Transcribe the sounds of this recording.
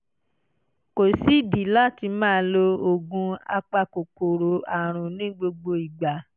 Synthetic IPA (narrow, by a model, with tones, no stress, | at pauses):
ko˨si˨˦di˨˦la˦˨ti˧mãː˦˧˦lo˧o˨ɡũ˧a̰˧k͡pa˧ko˨ko˨ɾo˨˦a˨ɾ̃ũ˨nĩ˦ɡ͡bo˧ɡ͡bo˧i˨ɡ͡ba˨